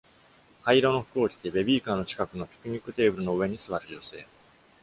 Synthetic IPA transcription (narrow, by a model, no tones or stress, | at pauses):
haiɾono̞ɸɯ̟̥ko̞ːkʲi̥t̪e̞be̞bʲiːkaːno̞t͡ɕi̥kakɯ̟no̞pʲi̥kɯ̟ɲ̟ikːɯ̟t̪e̞ːbɯ̟ɾɯ̟no̞ɯ̟βe̞ɲ̟isɨβaɾɯ̟ʑo̞se̞̰ː